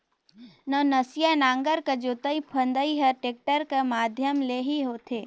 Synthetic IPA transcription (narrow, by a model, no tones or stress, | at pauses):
nənɐsijanãːŋɡəɾked͡ʒot̪əipʰə̃nd̪əiɦɐʈeːk̚ʈəɾkemaːd̪ʱjəmleːɦiɦoːt̪ʰeː